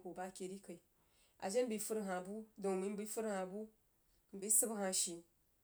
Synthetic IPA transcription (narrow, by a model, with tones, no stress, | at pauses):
ku˨ba˦kʲe˨ɾi˦ka˨i˨ | a̰˨d͡ʒe˦n˦bi˨fu˦ɾɦa˨bu˦do˨mi˨˦bi˦fu˦ɾha˨bu˦ | m˨bi˦sɨ˦bha˨ʃi˨